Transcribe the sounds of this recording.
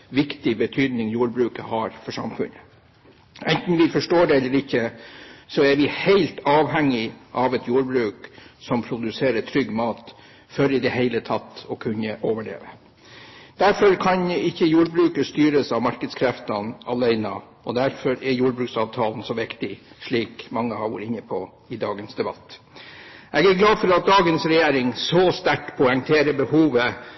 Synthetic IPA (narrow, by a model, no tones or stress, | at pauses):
ʋɪkt̪ɪbət̪ʰyːd̪nɪŋjuːɾbɾʉːkəhɑɾfɔʂɑ̰mfʉ̰nə | ʔɛnt̪n̩ʋɪfɔʂʈoːɖɛɛlːəɾɪçːəsɔɛɾʋɪheɪlt̪ɑːʋɦɛŋːɪʔɑʋɛt̪ʰjuːɾbɾʉːksɔmpʰɾʊd̪ʉseːɾət̪ʰɾʏɡːmɑːt̪ | fœɾɪd̪ɛhæɪlət̪ʰɑt̪ːɔkʰʉnːəʔoːʋəɭḛːʋə | d̪̥æɾfɔɾkʰɑnɪçːəjuːɾbɾʉːkəst̪yːɾəsɑʋmɑɾkəd̪skʰɾɛft̪ɑnɑlæɪnɑ̰ | ɔd̪æɾfɔɾɛɾjuːɾbɾʉːksɑʋt̪ʰɑːln̩sɔʋɪkt̪ɪʂɭiːkmɑŋːəhɑʋṵːɾəɪnːəpʰɔ | ɪd̪ɑːɡənsd̪ɛbɑ̰t̪ː | ʔɛɡæɾɡlɑːd̪fɔɾɑt̪̚d̪ɑːɡənsɾɛjeːɾɪŋsɔst̪æʈpʰʊɛŋt̪ʰeːɾəbəhuːʋə